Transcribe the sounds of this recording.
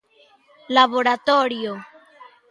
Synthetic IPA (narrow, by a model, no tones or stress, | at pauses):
labo̞ɾat̪oɾio